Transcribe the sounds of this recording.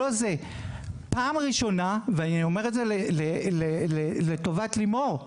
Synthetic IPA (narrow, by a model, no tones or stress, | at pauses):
oze | paːmʁiʃo̞naveaniome̞ʁetzeleleleleleto̞vatlimo̞ʁ